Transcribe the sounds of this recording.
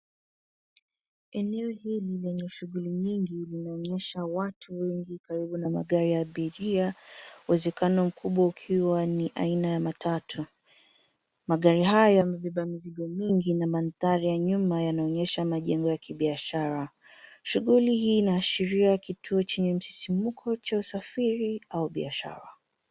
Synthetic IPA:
ɛnɛɔhililɛɲɛʃuɣuliɲiŋɡilinaɔɲɛʃawatʰuwɛŋɡikaɾiɓunama̰ɠaɾijaːɓiɾiauwɛzɛkanɔm̩kʰuɓwaukʰiwaniʔa̰inajamatʰatʰu | maɠaɾiɦajɔmiɓɛɓamiziɡɔmiŋɡinamanθaɾijaɲumajanaɔɲɛʃamaʄɛŋɡɔjakiɓiaʃaɾa | ʃuɣulihiːnaːʃiɾiakitʰuɔt͡ʃɛɲɛm̩si̥simukʰɔt͡ʃausafiɾiauɓiaʃa̰ɾa̰

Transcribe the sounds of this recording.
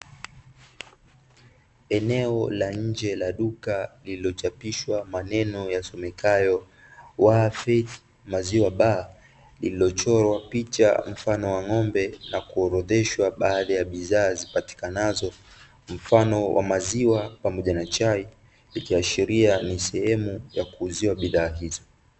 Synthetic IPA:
ɛnɛɔlaɲ̩d͡ʒɛlaɗukalililɔt͡ʃapiʃwamanɛnɔjasɔmɛkajɔ | wafɛθ | maziwaɓaː | lililɔt͡ʃɔɾwapit͡ʃa̰m̩fanɔwaŋɔmbɛnakuɔɾɔðɛʃwaɓaːðajaɓiðaːzipati̥kanazɔ | m̩fanɔwʔa̰maziwapamɔʄanat͡ʃai | likiaʃiɾianisɛhɛmujakuːziwaɓiðaːɦizɔ

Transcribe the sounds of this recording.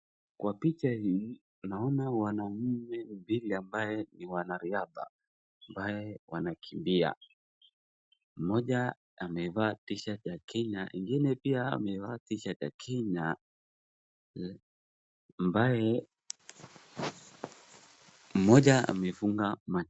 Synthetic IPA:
kwapit͡ʃahi | naɔnawanam̩mɛmbiliambajɛniwanaɾiaða̰ | ambajɛwanakʰimbia̰ | m̩mɔʄa | amɛvaːtiʃat͡ʃakʰɛɲaʔiŋɡinɛpiaa̰mɛvaːtiʃat͡ʃa̰kʰɛɲa | ambajɛ | m̩mɔʄaa̰mɛfuŋɡama

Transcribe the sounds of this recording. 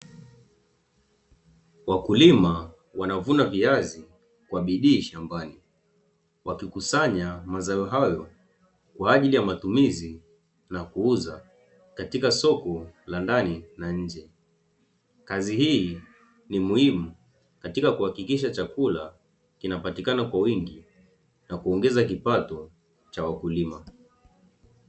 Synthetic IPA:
wakulima | wanavunaviazi | kwaɓiɗiːʃambani | wʔakikusaɲamazaɛɦajɔ | kwaːʄilijamatumizi | nakuuza | katikasɔkɔlandaninaɲ̩d͡ʒɛ | kazihiː | nimuhimu | katikakuhakikiʃ̬at͡ʃakula | kinapatikanakwawiŋɡi | nakuɔŋɡɛzak̬ipatɔ | t͡ʃawakulima

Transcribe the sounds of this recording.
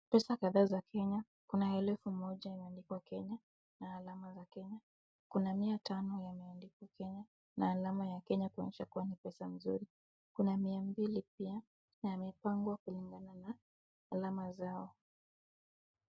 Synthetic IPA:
pɛsakaðaːzakʰɛɲa | kunahɛlɛfumɔʄajamɛandikwakɛɲa | naːlamazakɛɲa | kunamiatanɔjamɛandikiwakɛɲa | naːlamajakɛɲakua̰ɲɛʃakuwanipɛsam̩zuɾi | kunamiambilipia | najamɛpaŋɡwakuliŋɡananaː | lamazaɔ

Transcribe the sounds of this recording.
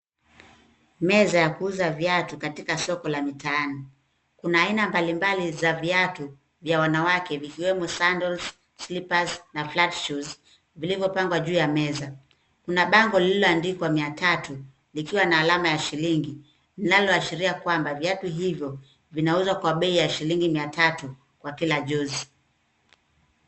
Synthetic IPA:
mɛzajakuuzaviatukatikasɔkɔlamitaani | kunaːinambalimbalizaviatu | vjawanawakɛvikiwɛmusandɔls | slipaznaflatʃuz | vilivjɔpaŋɡwaʄuːjamɛza | kunaɓaŋɡɔliilɔandikwamiatatu | likiwanaːlamajaʃiliŋɡi | ninalɔaʃiɾiakwambaviatuɦivjɔ | vinauzwakwaɓɛijaʃiliŋɡimiatatu | kwakilaʄuzi

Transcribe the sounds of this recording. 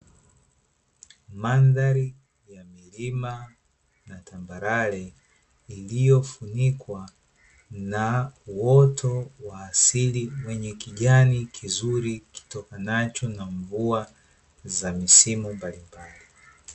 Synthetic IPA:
mandaɾi | jamilima | natambaɾalɛ | ilijɔfunikwa | nauwɔtɔwaːsiliwɛɲɛkiʄanikʰizuɾiki̥tɔkanat͡ʃɔnaɱvua | zamisimumbalimbali

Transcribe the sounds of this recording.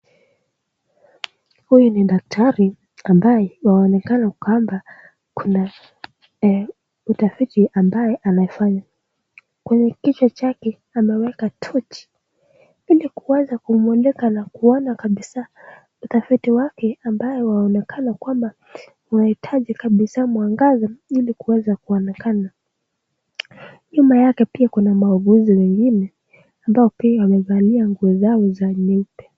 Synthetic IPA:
hujuniɗak̚tʰaɾi | ambajɛwaɔnɛkanakwamba | kuna | utafitiʔambajɛʔanaɛfaɲa | kwɛɲɛkit͡ʃɔt͡ʃakɛ | amɛwɛkatʰɔt͡ʃi̥ | ilikuwazakumuɔnɛkanakuɔnakaɓisa | utafitiwakɛambajɔwaɔnɛkʰanakwamba | unahitʰaʄikaɓisamuaŋɡazailikuwɛzakuɔnɛkana | ɲumajakɛpiakunamauɡuziwɛŋɡinɛ | ambaɔpiawamɛvaniaŋɡuɔzaɔzaɲɛpɛ

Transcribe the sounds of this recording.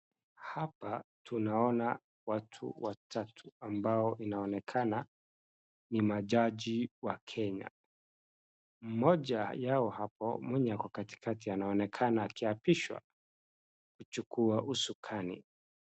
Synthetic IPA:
hapatunaɔna | watʰṵwatʰatʰu̥ambaɔʔinaɔnɛkʰana | nimaʄaʄiwakʰɛɲa̰ | m̩mɔʄajaɔhapɔ̰mwɛɲakwakati̥kʰatianaɔnɛkʰanaːkiapiʃwa̰ | kut͡ʃukʰuaʔusukʰanḭ

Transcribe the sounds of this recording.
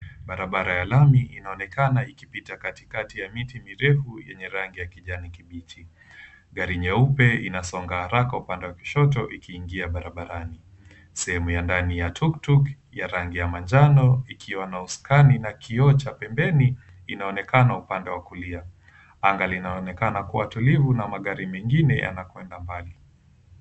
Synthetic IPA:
ɓaɾaɓaɾajalamiʔinaɔnɛkanaikipitakati̥katijamitimiɾɛfujɛ̰ɲɛɾaŋɡijakiʄanikiɓiti | ɠaɾiɲɛupɛinasɔŋɡahaɾakaupandɛwaki̥ʃɔt̬ɔʔikʰiːŋɡiaɓaɾaɓaɾani | sɛhɛmujandanijatʰuktuk | jaɾaŋɡijamand͡ʒanɔikʰiwanauskaninakʰiɔt͡ʃapɛmbɛni | inaɔnɛkanaupandɛwakulia | aŋɡalinaɔnɛkanakuwatulivunamaɠaɾimɛŋɡinɛja̰nakwɛndambali

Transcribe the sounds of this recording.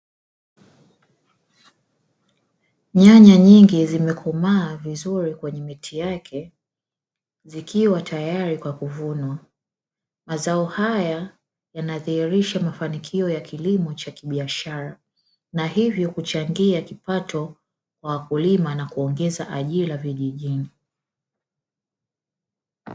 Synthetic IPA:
ɲaɲaɲiŋɡizimɛkʰɔmaːvizuɾikwɛɲɛmitʰijakʰɛ | zikiwatʰajaɾikwakuvunwa | mazaɔhaja | janaðihiɾiʃamafanikʰiɔjakʰilimɔt͡ʃakiɓiaʃaɾa | nahivjɔkut͡ʃaŋɡiakipatʰɔ | kwawakulimanakuɔŋɡɛzaʔaʄilaviʄiʄini

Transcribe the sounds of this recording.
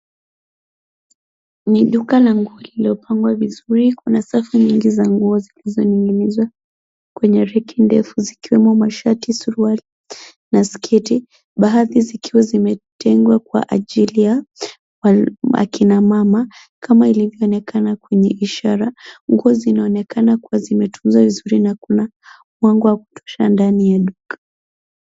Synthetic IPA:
niɗukalaŋɡuɔliliɔpʰaŋɡwavizuɾikunasafuɲiŋɡizaŋɡuɔzilizɔniŋɡinizwa | kwɛɲɛɾɛkʰindɛfuzikiwɛmɔmaʃatisuɾuali | naskʰiti | ɓaaðizikiwazimɛtɛŋɡwakwa̰ʔa̰ʄilija | aa̰kinamama | kʰamailivjɔːnɛkʰanakwɛɲɛʔiʃaɾaŋɡuɔzinaɔnɛkanakuwazimɛtum̩zwavizuɾinakuna | mwaŋɡɔwaku̥tʰɔ̥ʃa̰ndanijaɗukḁ

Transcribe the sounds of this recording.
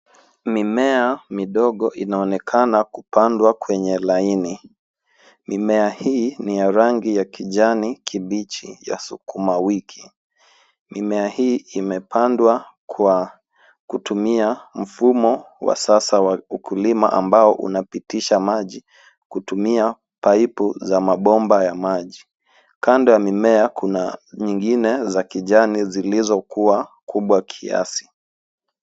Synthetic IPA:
mimɛamiɗɔɠɔʔinaɔnɛkʰanakupandwakwɛɲɛlaini | mimɛahiːnijaɾaŋɡijakiʄanikʰiɓit͡ʃḭja̰sukumawikʰi | mimɛahiːmɛpandwakwa | kutumiam̩fumɔ | wa̰sasawaukʰulimaʔa̰mbaɔʔṵnapitiʃamaʄi | kutumia | paipuzamaɓɔmbajamaʄi | kandɔjamimɛakʰunaɲiŋɡinɛzakiʄanizilizɔkuwakʰuɓwakʰia̰si̥

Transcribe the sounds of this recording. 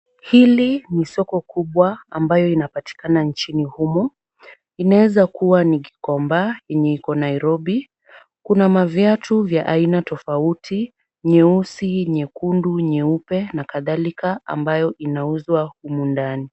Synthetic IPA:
hilinisɔkɔkʰuɓwaa̰mbajɔinapati̥kanant͡ʃinihumɔ | inawɛzakuwaniɡi̥kɔmbajɛɲɛikɔnaiɾɔɓi | kunamavjatuvjaʔainatɔfautʰi | ɲɛusiɲɛkunduɲɛupɛnakaðalikaa̰mbajɔʔinauzwahumundani

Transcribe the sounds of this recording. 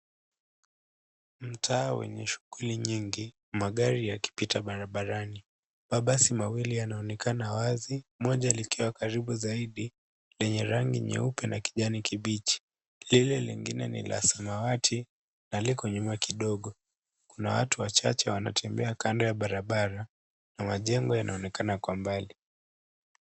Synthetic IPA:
m̩tʰaːwɛ̰ɲɛʃu̥ɡuliɲiŋɡi | maɠaɾijaki̥pitaɓaɾaɓaɾani | ɓaɓasimawilianaɔnɛkanawazimɔʄalikiwakaɾiɓuzaiɗi | lɛɲɛɾaŋɡiɲɛ̰upɛnaki̥ʄanikiɓit͡ʃi̥ | lilɛliŋɡinɛnḭlʔa̰samawatʰi | nalikɔɲumakiɗɔɠɔ | kunawa̰tuwat͡ʃa̰t͡ʃɛwana̰tʰɛmbɛakandɔjaɓaɾaɓaɾa | namaʄɛŋɡɔjanʔaɔnɛkanakwambali

